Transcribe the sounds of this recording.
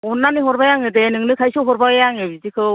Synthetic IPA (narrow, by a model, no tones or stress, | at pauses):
ɔnːaniɦɔɾbajaŋɯdenɯŋlɯkʰajsɯɦɔɾbajaŋɯbizikʰɯ